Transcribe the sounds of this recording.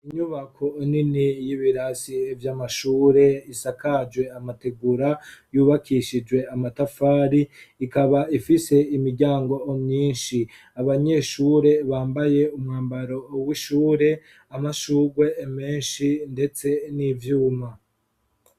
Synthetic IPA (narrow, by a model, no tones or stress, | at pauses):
iɲuβakʰoininijiβiɾasievjamaʃuːɾe̞isakad͡ʒwe̞amate̞ɡuɾajuːβakʰiʃid͡ʒwe̞amatafaːɾiːkaβaifise̞imiɾɟaːŋɡo̞omɲiːnʃi | aβaɲe̞ʃuːɾe̞βaːmbaje̞umŋaːmbaɾo̞wiʃuːɾe̞ | amaʃuːɡwe̞ːme̞ːnʃinde̞t͡se̞nivjuːma